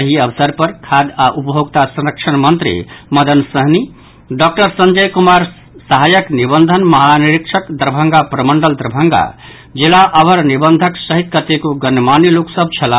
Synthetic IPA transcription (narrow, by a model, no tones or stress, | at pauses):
əɦiəbəsəɾpəɾkʰad̪aʔupɦoɡt̪asɐnɾəkt͡ʃʰənmənt̪ɾḭmʌd̪ənsəɦni | ɖɔk̚ʈəɾsənd͡ʒəjkumaɾ | səɦajəknibənd̪ʱənməɦaniɾikt͡ʃʰəkd̪ɾbʱəŋɡapɾəməɳɖəld̪ɾbʱəŋɡa̰ | d͡ʒilaʔəbəɾnibənd̪ʱəksəɦit̪̚kət̪ekoɡənmaniluksəb̚t͡ʃʰɐla